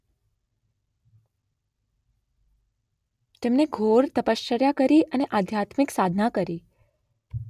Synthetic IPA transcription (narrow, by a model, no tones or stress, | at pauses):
t̪emneɡʱoɾt̪əpəʃt͡ʃəɾjakəɾiʔəneʔad̪ʱjat̪miksad̪ʱnakəɾi